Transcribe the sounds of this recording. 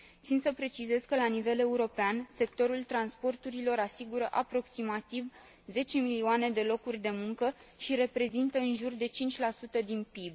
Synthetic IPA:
t̪sinsəpɾe̞t͡ʃize̞zkəlanive̞le̞uɾo̞peanse̞k̚t̪o̞ɾult̪ɾanspo̞rt̪uɾilo̞ɾasiɡuɾəʔapɾo̞ksimat̪iv | ze̞t͡ʃe̞miliuane̞d̪e̞lo̞kurʲd̪e̞muŋkəʃiɾe̞pɾe̞zint̪əɨnʒurd̪e̞t͡ʃint͡ʃʲlasut̪əd̪inpib

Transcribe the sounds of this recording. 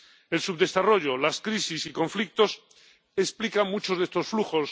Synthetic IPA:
e̞lsuβd̪e̞saro̞ʝo̞laskɾisisiko̞ɱflik̚t̪o̞s | esplikaŋmut͡ʃo̞zðe̞st̪o̞sfluxo̞s

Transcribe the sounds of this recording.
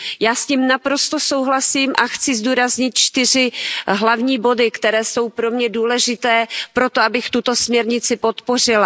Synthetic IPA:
jaːsciːmnapɾo̞st̪o̞so̞wɦlasiːmʔaxt͡sɪzd̪uːɾazɲɪt̪̚t͡ʃt̪ɪr̝ɪɦlavɲiːbo̞dɪkt̪ɛɾɛːso̞wpɾo̞mɲɛduːlɛʒɪt̪ɛːpɾo̞t̪oabɪxt̪ut̪o̞smɲɛɾɲɪt͡sɪpo̞t̪po̞r̝ɪla

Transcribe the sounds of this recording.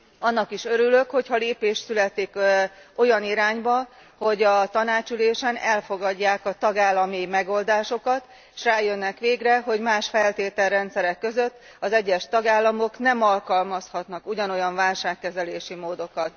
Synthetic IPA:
ɒnːɒkiʃø̞ɾylø̞kho̞chɒleːpeːʃt̪sylɛt̪ːiko̞jɒniɾaːɲbɒ | ho̞ɟɒt̪ɒnaːt͡ʃyleːʃɛnɛlfo̞ɡɒɟːaːkɒt̪ɒɡaːlːɒmimɛɡo̞ld̪aːʃo̞kɒt̪ | eʃraːjø̞nːɛkʋeːɡrɛɦo̞ɟmaːʃfɛlt̪eːt̪ɛlrːɛnt̪sɛɾɛkːø̞zø̞t̪ː | ɒzɛɟːɛʃt̪ɒɡaːlːɒmo̞knɛmɒlkɒlmɒshɒt̪nɒkuɟɒno̞jɒɱvaːlʃaːkːɛzɛleːʃimoːd̪o̞kɒt̪

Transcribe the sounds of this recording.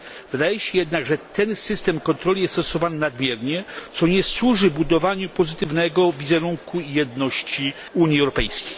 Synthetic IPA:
vɘd̪ajɛɕɛjɛd̪naɡʐɛt̪ɛnsɘst̪ɛmkɔnt̪ɾɔlʲijɛst̪ɔsɔvanɘnad̪mʲjɛɾɲɛt̪sɔɲɛswuʐɘbud̪ɔvaɲupɔzɘt̪ɘvnɛɡɔvʲizɛɾuŋkʰujɛd̪nɔɕt͡ɕi | uɲiɛwɾɔpɛjskʲej

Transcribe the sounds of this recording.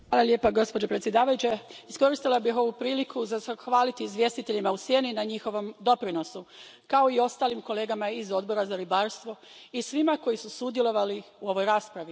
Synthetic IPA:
ʋaːlˠaljepaɡo̞spo̞d͡ʑo̞pɾet̪sje̞d̪aːʋajut͡ɕe̞isko̞ɾist̪ilˠabixo̞ʋupɾiːlikuzasxʋaːlit̪iːzʋje̞st̪it̪eʎimausje̞ːninaɲixo̞ʋo̞md̪o̞pɾino̞su | kao̞io̞st̪aːlimkole̞ːɡamaizo̞d̪bo̞ɾazaɾibaːɾst̪ʋo̞ | isʋimako̞jisusud̪jelˠo̞ʋaliuo̞ʋo̞jɾaːspɾaʋi

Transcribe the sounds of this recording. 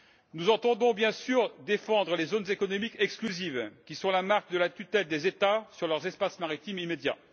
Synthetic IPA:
nuzɑ̃t̪ɑ̃d̪ɔ̃bjɛ̃syʁd̪efɑ̃d̪ʁəlezonzekɔnɔmikɛksklyzivkʲisɔ̃lamaʁk̚d̪əlat̪yt̪ɛld̪ezet̪asyʁlœʁzɛspasmaʁit̪imimed̪ja̰

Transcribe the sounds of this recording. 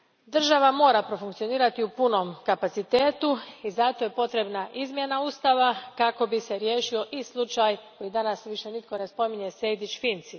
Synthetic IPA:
d̪r̩ʒaʋamo̞ːɾapɾo̞fuŋkt̪sijo̞niːɾat̪iupuno̞mkapat̪sit̪eːt̪uizat̪o̞je̞po̞t̪ɾe̞bnaʔizmje̞nauːst̪aʋakako̞bise̞ɾjeːʃio̞ʔislˠut͡ʃajko̞jid̪anasʋiʃe̞nit̪̚ko̞ne̞spo̞miɲe̞se̞jd̪it͡ʃfint̪si

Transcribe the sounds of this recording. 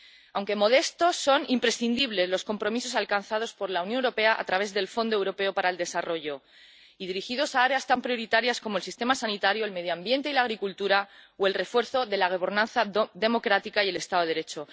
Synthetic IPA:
awŋke̞mo̞ð̞e̞st̪osːo̞nimpɾe̞sθind̪iβ̞le̞zlo̞sko̞mpɾo̞mis̬o̞s̬alkanθað̞o̞spo̞ɾlaunjonewɾo̞pe̞aʔa̰t̪ɾaβe̞zðe̞lfo̞nd̪oe̞wɾo̞pe̞o̞paɾaeld̪e̞saro̞ʝo̞ | iðiɾixiðo̞saaɾe̞ast̪ampɾjo̞ɾit̪aɾjasko̞molsist̪e̞masanit̪aɾjo̞elme̞ð̞joambje̞nt̪e̞ilaɣɾikult̪uɾaoe̞lre̞fwe̞ɾθo̞ðe̞laɣ̞oβeɾnãnθaðe̞mo̞kɾat̪ikaie̞le̞st̪aðoeɾe̞t͡ʃo̞

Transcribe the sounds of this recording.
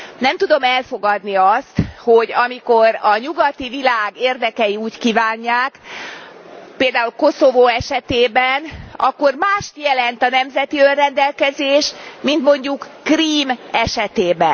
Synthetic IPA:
nɛmt̪ud̪o̞mɛlfo̞ɡɒd̪niɒst̪ho̞ɟɒmiko̞ɾɒɲuɡɒt̪ivilaːɡeːrd̪ɛkɛjiuːckiːvaːɲːaːk | peːld̪aːulko̞sovoːɛʃɛt̪eːbɛnɒ̰kːo̞rmaːʃt̪jɛlɛnt̪ɒnɛmzɛt̪iørrɛnd̪ɛlkɛzeːʃmint̪mo̞ɲɟukːriːmɛʃɛt̪eːbɛn

